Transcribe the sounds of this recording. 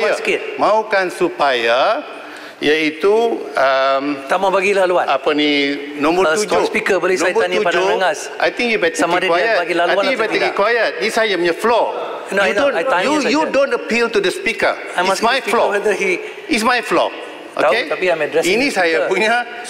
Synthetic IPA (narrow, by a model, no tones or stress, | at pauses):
jaskimaukansupaja | jait̪uəmt̪amabaɡilaluatapəninɔ̃mbəɾud͡ʒospikəbolenajbəaniad͡ʒoaŋas | ʔa̰jt̪ĩŋkjubat̪eamadkwajəɡilaajĩkjubat̪ekĩkwajət̪̚isajam̃əflɔ | nuddõnaujudõntəpilt̪udəspikə̰ | amajflɔwɛd̪əhi | ismajflɔ̰ | ʔo̰aet̪apiãmɛdɾɛsinisajabuɲa